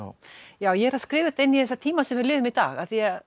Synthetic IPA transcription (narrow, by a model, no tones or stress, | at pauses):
jaːwjɛɛɾhaðskɾɪːvʏt̪enːiθɛsːat̪ʰiːmasɛmɪɾlɪːðʏmit̪a̰ːɣaθia